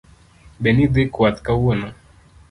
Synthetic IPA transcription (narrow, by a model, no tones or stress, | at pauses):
bɛnid̪ekwat̪kawɔna